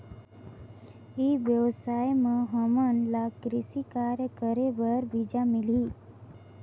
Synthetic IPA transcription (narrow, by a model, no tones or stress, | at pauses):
iʋjəwsaːjmẽɦəmənlakɾɪsikaːɾjəkəɾebəɾbid͡ʒamɪli